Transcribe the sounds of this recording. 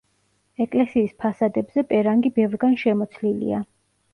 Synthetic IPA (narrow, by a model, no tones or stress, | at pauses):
ɛkʼlɛsiːspʰasad̪ɛbzɛpʼɛɾaŋɡibɛvɾɡanʃɛmɔt̪sʰlilḭa